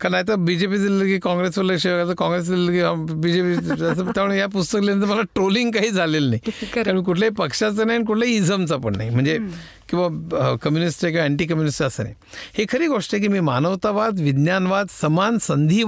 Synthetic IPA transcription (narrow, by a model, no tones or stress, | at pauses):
kaɾnaɦjt̪əbid͡ʑepiːd͡zilləkiːkãŋɡɾesʋələkʂeʋəɡat͡səkɔ̃ŋɡɾes̬iləkiabid͡ʑepias̬ət̪jaməɳjap̬ust̪əklenənt̪əɾməlaʈɾoliŋɡkaɦiːd͡zʱalelnaɦikaɾmiːkuʈʰljapəkʂat͡sənaɦjnik̬uʈʰlaiid͡zʱəmt͡sapəɳːa̰ɦim̤əɳd͡ze | kĩw̃ʋakəmjunisʈajkʲĩʋaɛɳʈiːkəmjunisʈəsəna̰j | hekʰəɾiːɡoʂʈəek̬iːmiːmanəʋt̪aʋad̪ʋid̪njanʋad̪səmansənd̪ʱiː